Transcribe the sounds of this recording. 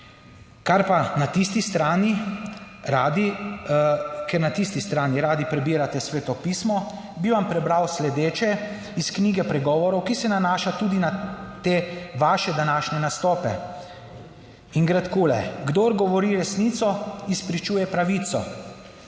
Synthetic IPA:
kaɾpanat̪ist̪ist̪ɾaːni | ɾad̪i | kɛɾnat̪ist̪ist̪ɾaːniɾaːd̪ipɾɛbiːɾat̪ɛsʋeːt̪ɔpiːsmɔ | biʋampɾɛbɾawslɛd̪eːt͡ʃɛ | iskniːɡɛpɾɛɡɔːʋɔɾɔwkisɛnanaːʃat̪uːd̪inat̪eːʋaʃɛd̪anaːʃnɛnast̪ɔːpɛ | iŋɡɾɛt̪kulɛɡd̪oɾɡɔʋɔɾiɾɛsniːt̪sɔispɾit͡ʃuːjɛpɾaʋiːt̪sɔ̰

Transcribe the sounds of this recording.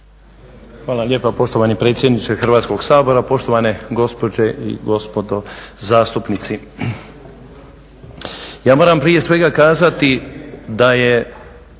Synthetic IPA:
xʋaːlˠalje̞ːpapo̞ʃt̪oʋanipɾe̞t̪sʲje̞d̪nit͡ʃexrʋaːt̪sko̞ɡsaːbo̞ɾapo̞ʃt̪o̞ʋaneɡo̞spo̞d͡ʑe̞ʔḭɡo̞spo̞d̪o̞zaːst̪upnit̪si | jaːmo̞ːɾampɾije̞sʋe̞ɡakaːzat̪id̪aje

